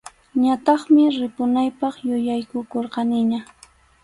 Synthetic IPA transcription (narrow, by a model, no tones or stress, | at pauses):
ɲat̪ɑχmɪɾɪpʊnajpɑχjʊjajkʊkoɾqɑnɪɲa